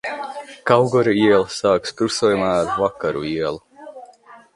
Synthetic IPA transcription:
kawɡɔɾiiɛlˠsaːkskɾusuːjumaːɾvakaɾṵiɛlˠu

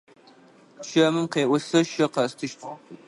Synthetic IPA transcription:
ʃɐmɨmqeːʔʷʊsɐʃɐqɐstʰɨʃt̪ʰʼ

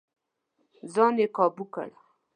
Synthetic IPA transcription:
zɑnekɑbuka̰ɽa

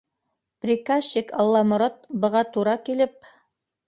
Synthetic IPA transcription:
pɾʲikaɕikɑlˠːɑmŏɾɑt̪̚bɤ̆ʁɑt̪uɾɑkilɘp̚

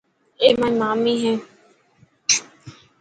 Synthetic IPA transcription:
eːmãĩmaːmiːɦɛ̃ː

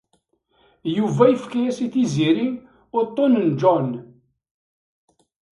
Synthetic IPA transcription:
juvæjəfkæjæsiθiziɾi | ʊɾt̪ˤːonənd͡ʒɔn

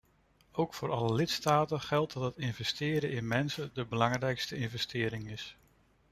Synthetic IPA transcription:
owkfʊːɾɑləlɪtstaːtəχɛlˠt̚dɑtɦətɪnvɛstɪːɾəʔɪnmɛnsəndəbəlɑŋrɛjkstəɪnvɛstɪːɾɪŋɪs

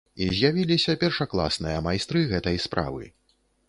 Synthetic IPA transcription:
izʲjavʲilʲisʲɐpʲɛrʂaklˠa̰snɨjɐmajst̪ɾɨɣɛt̪ɐjspɾʔa̰vɨ̰

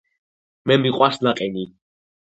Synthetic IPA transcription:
mɛmiqʼwaslaqʼɛni

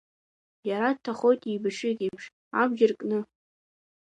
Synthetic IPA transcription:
jaɾad̚tʰːaχo̞jtʼibɨʂɪkʲʼipʰʂ | abʒʲɪrkʼnɨ

